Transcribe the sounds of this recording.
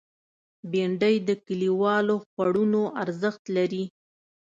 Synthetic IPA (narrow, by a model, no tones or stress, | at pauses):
beɳɖəjd̪əkəliwɑloxwaɽunoʔaɾzəxt̪laɾi